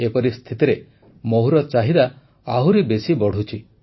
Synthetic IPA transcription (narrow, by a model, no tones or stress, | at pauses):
epɔɾist̪ʰit̪iɾe | moɦuɾɔt͡ʃaɦid̪a | aɦuɾibesibɔɽ̤ut͡ʃʰi